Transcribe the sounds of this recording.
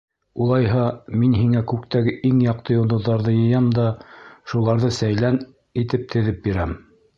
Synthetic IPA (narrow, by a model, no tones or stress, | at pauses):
ulˠɑjɦɑminɦiŋækʉkt̪æɡɘʔiŋjɑq̚t̪ɤjŏlˠd̪ɤ̆ðːɑɾðɤjɤ̆jɑmd̪ɑʃulˠɑɾðɤsæjlæn | it̪ɘp̚t̪ʰɘ̆ðɘp̚biɾæm